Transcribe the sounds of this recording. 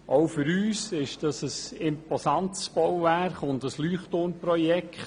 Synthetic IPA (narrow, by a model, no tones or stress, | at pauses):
ʔoʊfʏɾyːsɪʃd̥ɑsəsɪmpɔsɑnt̪sb̥ɔwvæχʊndəslyːχtoːnprɔjɛkʰχ